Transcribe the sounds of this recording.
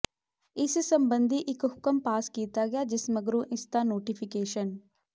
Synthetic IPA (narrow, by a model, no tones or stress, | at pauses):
ɪssəmbənd̪ʱiːʔɪkɦʊkəmpaːskiːt̪aːɡɪaːd͡ʒɪsməɡɾũːʔɪsd̪aːnoːʈipʰɪkeːʃən